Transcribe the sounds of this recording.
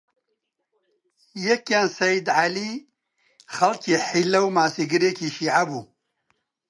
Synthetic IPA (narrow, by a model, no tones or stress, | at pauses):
jekjaːnsɐjid̪ʕali | xɐlkiħilːɐwmaːsiɡɨɾeːkʰiʃiːʕabu